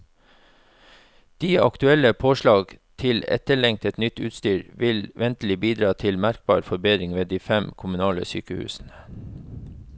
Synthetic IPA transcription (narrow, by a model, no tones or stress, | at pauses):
d̪̥iːɑkt̪ʉɛləpʰoːʃlɑːɡt̪ʰɪlɛ̰t̪əɭɛŋ̚t̪ɛt̪nʏt̪ʉ̰ːt̪st̪yːɾʋɪlʋɛnt̪əl̩ɪbiːd̪ɾɑːt̪ʰɪlmæɾk̚bɑ̰ːɾfɔɾbeːd̪ɾɪŋʋeːd̪iːfɛmkʰʊmʉnɑːlə̰sy̰ːkəhʉ̰ːsn̩ə